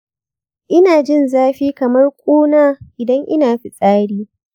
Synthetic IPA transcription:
ʔɪ˦naː˨d͡ʒɪ˦˨nzaː˦ɸiː˦kɐ˨mɐ˦rkʷʼuː˦naː˦ʔɪ˨dɐ˦ŋʔɪ˦naː˨ɸi˦sʼaː˦ɽiː˦

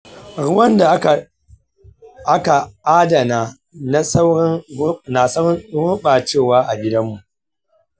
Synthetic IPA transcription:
ɽʊ˦wɐ˦nda˨˦˨ | ʔa˦ka˨ʔa˦dɐ˨naː˨ | na˦sa˦wɽɐ˦ŋ˦na˨sɐ˦wɾʊ˦ɓaː˨t͡ʃeː˦˨waː˦ʔa˨ɡʲɪ˦dɐ˦mːu˨ʔ

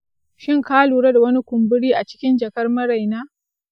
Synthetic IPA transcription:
ʃɪ˦ŋkaː˦luː˨ɽɐ˦da˨wɐ˦ni˦kʷʊ˨mbʊ˦ɽiː˦ʔa˨t͡ʃɪ̥˦kʲɪ˦nd͡ʒɐ˨kɐ˦rmɐ˦ɾa˨jnaː˦

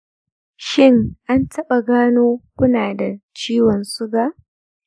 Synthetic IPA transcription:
ʃɪ˦˨ŋʔa˦ntʰɐ˦ɓa˨ɡaː˦noː˦kʷʊ˦naː˨da˨t͡ʃiː˦wɔ˨nsʊ˦ɡaː˨ʔ

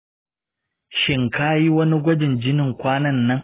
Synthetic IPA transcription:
ʃɪ˨ŋkaː˦ji˦wɐ˦ni˦ɡʷɐ˦d͡ʒɪ˨nd͡ʒɪ˦nɪ˨ŋkʷaː˦nɐ˦˨nːɐ˦ŋ

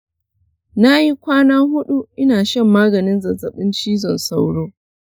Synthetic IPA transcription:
na˦ji˦kʷaː˦naː˦hʊ˦ɗu˦ʔɪ˦naː˨ʃɐ˦mːaː˦ɡɐ˨nɪ˦nzɐ˨zɐ˨ɓɪ˦nt͡ʃiː˦zɔ˨nsa˦wɽoː˦

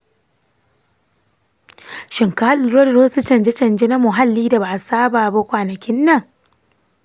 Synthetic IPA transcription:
ʃɪ˨ŋkaː˦lɾo˦dɾoː˦su˦t͡ʃɐ˨nd͡ʒe˦t͡ʃɐ˨nd͡ʒe˦na˦mʊ˨ɦa˦lːiː˦da˨ba˨ʔsaː˦baː˨ba˦kʷaː˨nɐ˨kʲɪ˦nːɐ˨ŋ

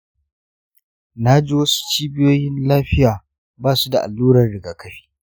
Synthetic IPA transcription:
na˦d͡ʒi˦wɐ˦su̥˦t͡ʃiː˦bɪ˦joː˦jɪ˦nlaː˦ɸɪ˦jaː˨ | baː˦˨su˦da˨ʔa̰˨lːuː˦ɾɐ˨rɽɪ˨ɡa˨kʰɐ˦ɸi̥ː˦

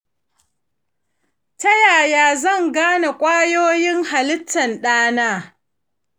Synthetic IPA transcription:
tɐ˦jaː˨jaː˨zɐ˦˨ŋɡaː˦na˨kʷʼaː˦joː˦jɪ˦ŋha˨lɪ˦tːɐ˨nɗaː˦naː˦

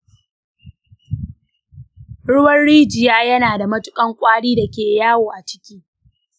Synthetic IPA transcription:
ɽʊ˦wɐ˦nɽiː˦d͡ʒɪ˨jaː˦jɐ˦naː˨da˨mɐ˦tʊ˦kʼɐ˦ŋkʷʼaː˦ɽiː˦da˨kʲeː˨jaː˦woː˨ʔa˨t͡ʃɪ̥˦kʲiː˦

